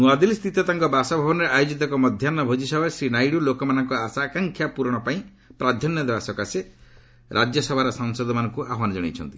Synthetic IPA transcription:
nuad̪ilst̪ʰit̪ɔt̪aŋkɔbasabʱabɔnɔɾeʔajod͡ʒit̪̬ɔkɔmɔd̪ʱjanɔbʱod͡ʒisɔbʱaɾesɾinajɽulokɔmanɔŋkɔasaːkaŋkʰjapuɾɔɽ̃ɔpaĩ | pɾad̪ʱjɔnjɔd̪ebasɔkase | ɾʔad͡ʒjɔsɔbʱaɾɔsɔŋsɔd̪ɔmanɔŋkuʔaɦwanɔd͡ʒɔɽḛt͡ʃʰɔ̰nt̪i

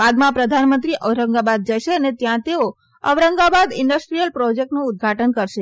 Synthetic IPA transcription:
ʋad̪mãpɾəd̪ʱanmə̃nt̪ɾiʔəʋɾəŋɡabad̪̚d͡ʒəʃeənet̪jãt̪eo | ə̰ʋɾəŋɡabad̪ɪ̰ɳɖəsʈɾijəlpɾɔd͡ʒek̚ʈnũʊd̪̚ɡʱaʈənkəɾʃe

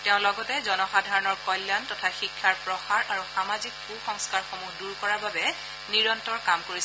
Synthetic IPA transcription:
tɛʊ̃lɔɡɔtɛzɔnɔxadʱaɹɔnɔɹkɔjlːantɔtʰaxikʰːaɹpɹɔxaɹʔaɹuxamazik̚xuxɔŋskaɹxomuhduɹkɔɹababɛ | niɹɔntɔɹkamkoɹis

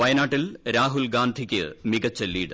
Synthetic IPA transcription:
ʋɐjɐnaːʈːilɾaːɦulɡaːnd̪ʱikʲːɨ̰miɡɐt͡ɕːɐlːiːɽɨ

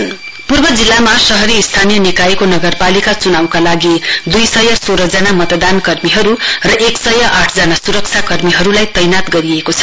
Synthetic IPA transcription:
purbʌd͡zilːamasʌɦʌɾiːst̪ʰanijʌnikaikonʌɡʌrpalikat͡sunawkalaɡid̪ujsʌjʌsoɾʌd͡zanamʌt̪d̪ankʌrmiɦʌɾurʌʔeksʌjʌʔaʈʰd͡zanasuɾʌkt͡sʰjakʌrmiɦʌɾulajt̪ʌjnat̪ɡʌɾiekot͡sʰʌ̥

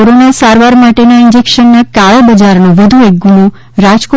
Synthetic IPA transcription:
oɾonasaɾʋaɾmaʈenaind͡ʒekʃənːakaɭebəd͡ʒaɾnoʋəd̪ʱuek̚ɡuno | ɾad͡ʒko

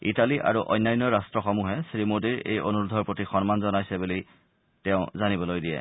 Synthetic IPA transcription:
italiʔa̰ɹuʔɔ̰jnːajnːɔɹastɹɔxomuɦɛsɹimodiɹḛjo̰nuɹudʱɔɹpotixɔnmanzɔnajsɛbuli | tɛʊ̃zanibɔlojdiɛ̰

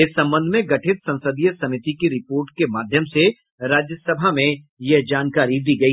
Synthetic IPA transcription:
ɪsːɐ̃mbə̃nd̪ʱmẽɡɐʈʰɪt̪sɐ̃ñsəd̪ijəsɐmɪt̪ikiɾɪpoːɾʈkemaːd̪ʱjəmse | ɾaːd͡ʒjəsɐbʱamẽ | jɐɦd͡ʒaːnkaːɾid̪iːɡɐi

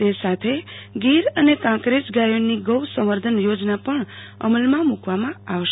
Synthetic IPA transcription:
esat̪ʰeɡiɾʌnekãkɾesɡajonːiɡʌwsʌm̃ʌrd̪ʱʌnjod͡znapʌɳ | ʌ̰mʌlmamukʰwamaawʌʃ

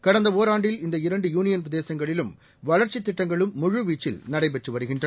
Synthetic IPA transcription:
kɐɽɐnd̪ɐoːɾaːɳɖɪlɪnd̪ɐɪɾɐɳɖɯjuːnɪjɐnʋɪðeːsɐŋɡɐɭɪlɯm | ʋɐɭɐɾt͡ʃɪt̪ːɪʈːɐŋɡɐɭɯmːʊɻɯʋiːt͡ʃːɪ̰lnɐɽɐɪbɛʈːɯʋɐɾɯɣɪɳdrɐ

